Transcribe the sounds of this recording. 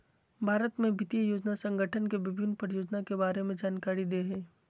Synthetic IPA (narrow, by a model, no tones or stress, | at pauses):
bʱaːɾət̪mẽbʱɪt̪ijəjoːd͡ʒnasə̃ŋɡʱəʈʰənkeʋɪbʱɪnːpɐɾjoːd͡ʒnakebaːɾemẽd͡ʒaːnkaːɾid̪eːɦɛ̃ː